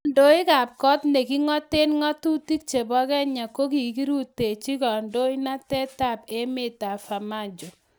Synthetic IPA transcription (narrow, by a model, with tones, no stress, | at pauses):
ndo˦ɪ˦ka˨p̚kɔ˦tne˨ki˦ŋɔ˦te˦nŋɔ˦tu˦ti˦k̚t͡ʃe˨bɔ˦kɛ˦ɲa˨ko˦ki˨ki˦ɾu˦tːe˨t͡ʃi˦kɔ˨ndo˦i˦na˦tɛ˦ta˦˨p̚e˦mɪ˦ta˨fa˨ma˦˨d͡ʒo˨